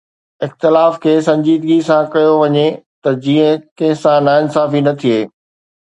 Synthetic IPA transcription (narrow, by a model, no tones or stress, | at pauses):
ɪxt̪ɪlaːfkʰeːsɐ̃ɲd͡ʑiːd̪ɡisãkɐjoʋɐɲet̪ɐd͡ʑiːə̃kɐ̃ɦɪ̃sãnaːɪnsaːfinɐt̪ʰieː